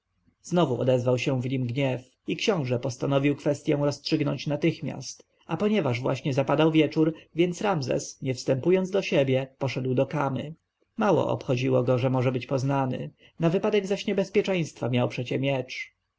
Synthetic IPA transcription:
znɔvuʔɔ̰d̪ɛzvawɕɛ̃vɲimɡɲɛf | ikɕɔ̃w̃ʐɛpɔst̪anɔvʲiwkfɛst̪ʲjɛ̃w̃ɾɔstʂɘɡnɔɲt͡ɕnat̪ɘxmʲja̰st̪ | apɔɲɛvaʐvwa̰ɕɲɛzapad̪awvʲjɛt͡ʂuɾvʲjɛnt̪sɾamzɛ̰sɲɛfst̪ɛmpujɔnd̪d̪ɔɕɛbʲjɛpɔʂɛd̪wd̪ɔkamɘ̰ | mawɔ̰ʔɔ̰pxɔd͡ʑiwɔɡɔʐɛmɔʐɛbɘt͡ɕpɔznanɘ̰ | navɘpad̪ɛɡzaɕɲɛbɛspʲjɛt͡ʂɛj̃st̪famʲjawpʂɛt͡ɕɛmʲjɛt͡ʂ

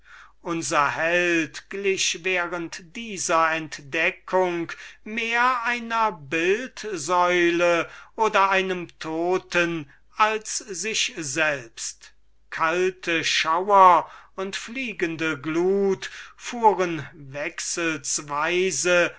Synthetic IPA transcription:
ʔʊnzɐhɛltɡ̥lɪʃveːʁəntd̥iːzɐɛntd̥ɛkʰʊŋkmeːɐaɪnɐbɪltzɔʏləʔoːdɐaɪnəmtʰoːtən | alszɪʃzɛlpst | kʰaltʰəʃawɐʊntfliːɡəndəɡluːtfuːʁənvɛksəlsvaɪzə

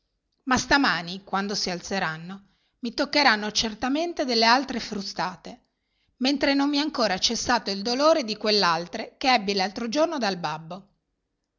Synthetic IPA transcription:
mast̪amaːnikwand̪osialt̪seɾanːo | mit̪okːeɾanːot͡ʃert̪ament̪ed̪elːealt̪ɾefɾust̪aːt̪e | ment̪ɾenommiaŋkoːɾat͡ʃesːaːt̪oild̪oloːɾed̪ikwelːealt̪ɾekeɛbːilalt̪ɾod͡ʒornod̪albabːo

